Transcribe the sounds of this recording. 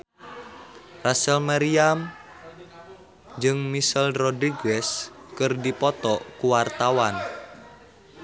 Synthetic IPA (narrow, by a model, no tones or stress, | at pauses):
rasəlmaɾiam | d͡ʒɨŋmisəlrɔdɾiɡɛskərdipɔt̪ɔkuwart̪awan